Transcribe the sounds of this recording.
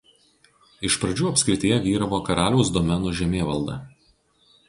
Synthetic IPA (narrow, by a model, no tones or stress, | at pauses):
ɪʃpɾɐd͡ʒʲuːɐpʲsʲkɾʲɪt̪ʲijɛʋʲiːɾɐʋoːkɐɾɑːlʲɛʊsd̪ɔmʲɛnʊʒʲɛmʲeːʋɐlˠd̪ɐ̰